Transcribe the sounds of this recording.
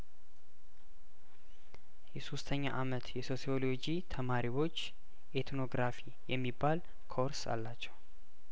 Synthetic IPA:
jɛsost̪ʰəɲːaʔamət̪jɛso̞sio̞lo̞d͡ʒit̪ʰəmaɾiwo̞t͡ʃː | ʔet̪no̞ɡɾafi | jɛmːibːal | kʰo̞ɾsa̰lːat͡ʃːɛw

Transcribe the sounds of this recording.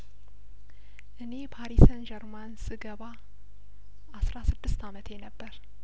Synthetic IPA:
ʔɨne̞pʰaɾisənd͡ʒɛɾmansɨɡəβa | asɾasɨd̪ːɨst̪amət̪ʰjɛnəbːəɾ

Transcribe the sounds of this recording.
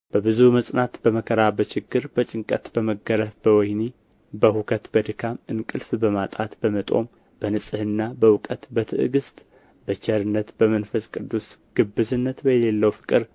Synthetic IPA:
b̥əbɨzuməsʼnat̪b̥əməkʰəɾabət͡ʃɪɡːɨɾbət͡ʃʼɪŋkʼət̪bəməɡəɾəfbəwɔjni | bəhukʰət̪bəd̪ɨkʰamɨnkʼɨlfbəmat̪ʼat̪bəmət̪ʼo̞̰m | b̥ənɨsʼɨhɨnːabəwʊkʼət̪bət̪ʰɨʔɨɡɨst̪ʼ | bət͡ʃɛɾɨnːət̪bəmənfəskʼɨd̪ːusɡ̥ɨbːɨzɨnːət̪bəjɛlelːəwfɨ̥kʼɨɾ

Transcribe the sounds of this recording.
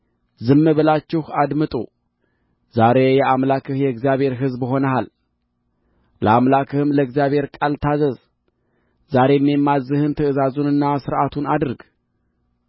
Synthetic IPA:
zɨmːɨβəlat͡ʃːɪhad̪mɨt̪ʼṵ | z̥aɾe̞jɛʔamlakʰɨhjɛɡzjaβe̞ɾɦɨzbɨɦo̞nəhal | ləamlakʰɨhɨmləɡzijaβhe̞ɾkʼalt̪ʰazəz | zaɾe̞mːemːazɨhɨnt̪ʰəɨzazunɨnːasɨɾʔat̪ʰunad̪ɨɾɡ

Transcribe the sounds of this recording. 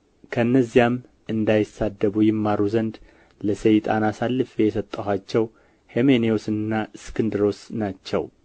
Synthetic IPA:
kʰəɨnːəzːijam | ʔɨnd̪ajɪsad̪ːəβujɪmːaɾuzənd̪ | ləsəjt̪ʼanasalːɨfejɛsət̪ʼːəhʷat͡ʃːɛw | hemeneosɨnːaskʰɨnd̪ɨɾo̞snat͡ʃːɛ̰w

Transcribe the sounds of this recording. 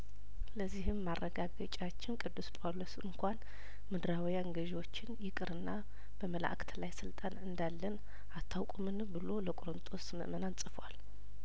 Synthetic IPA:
ləzːihɨmːarːəɡaɡət͡ʃʼat͡ʃːɪnkʼɨd̪ːuspʼolosɨŋkʷʰan | mɨd̪ɾawijaŋɡəʒwo̞t͡ʃːɪnjɪkʼɨɾɨnːa | b̥əməla̰ʔkʰʼt̪ʰlajsɨlt̪ʼanɨnd̪alːən | at̪ʰːawkʷʼumɨnbɨlo̞ləkʼoɾɨnt̪ʼosmɨ̰ʔmənansʼɨfwal

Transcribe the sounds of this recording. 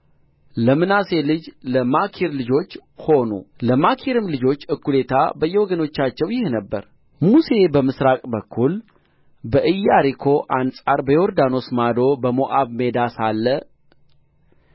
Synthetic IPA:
ləmɨnase̞lɨd͡ʒləmakʰiɾlɨd͡ʒo̞t͡ʃːho̞nṵləmakʰiɾɨmlɨd͡ʒo̞t͡ʃːɨkːule̞t̪ʰa̰bəjːɛwɔɡəno̞t͡ʃːat͡ʃːɛwjɪhnəbːə̰ɾ | muse̞bəmɨsɾakʼbəkʰːul | bəʔɨjːaɾikʰo̞ʔansʼaɾbəjoɾd̪ano̞smad̪o̞bəmoʔaβme̞d̪asalːə

